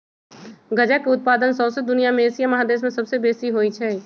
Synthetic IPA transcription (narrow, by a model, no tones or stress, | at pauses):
ɡɐd͡ʒakeʊt̪̚paːd̪ənsɐʊsed̪ʊnijamẽeːsijamɐɦad̪eːs̬mẽsɐbsebeːsiɦoːit͡ʃʰɛː